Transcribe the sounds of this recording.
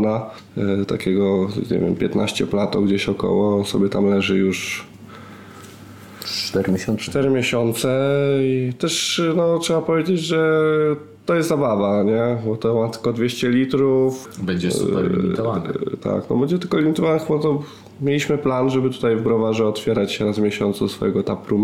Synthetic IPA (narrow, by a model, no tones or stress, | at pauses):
na | t̪akʲɛɡɔɲɛ̰vʲɛ̰mpʲjɛt̪naɕt͡ɕɛplat̪ɔɡd͡ʑeɕɔkɔ̰wɔsɔbʲjɛt̪amlɛʐɘjuʂ | t̪ɛɾmʲɕɔnt̪ɛɾɘmʲjeɕɔnt̪sɛit̪ɛʂnɔtʂɛbapɔvʲjed͡ʑed͡ʑʐɛ | t̪ɔjɛst̪zabavaɲɛbɔt̪ɔmat̪ɘ̥kɔd̪vʲeɕt͡ɕɛlʲit̪ɾufbɛɲd͡ʑɛsuɛiit̪ɔvan̰t̪ʰa̰knɔ̰bɛɲd͡ʑɛt̪ɘlkɔlʲimʲit̪ɔvanxbat̪ɔ | mjelʲiɕmɘplanʐɛbɘt̪u̥t̪ajvɡɾɔvaʐɛɔt̪fʲjɛɾat͡ɕɕɛɾazmʲjeɕɔnt̪susfɔ̰jɛɡɔt̪apɾu